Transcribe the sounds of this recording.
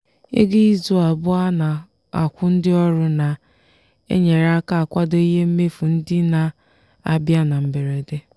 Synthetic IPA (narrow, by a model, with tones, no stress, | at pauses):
ḛ˦ɡi˦i˦zʊ˦a˨bʊ˦a˦na˨ | a˨kʷʊ˦n̩˦dɪ˦ɔ˦ɾʊ˦na˨ | ḛ˦ɲe˨ɾa˦ka˦a˨kʷa˦do˦i˦ɦe˦m̩˦me˦fu˨n̩˦dɪ˦na˨ | a˨bja˦na˨m̩˨be˨ɾe˨de˦